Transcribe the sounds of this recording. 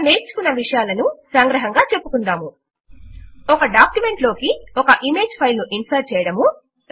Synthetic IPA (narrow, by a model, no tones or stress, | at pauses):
ne̞ːɾt͡ʃu̥kunːɐʋiʂɐjaːlɐnusɐŋɡɾɐɦɐŋɡaːt͡ʃe̞pːukund̪aːmu | ɔkɐɖaːkjume̞ɳʈlo̞ːkiɔkɐʔime̞ːd͡ʒpʰɐjlnuʔinsɐɾ̚t͡ʃɛːjɐɽɐmu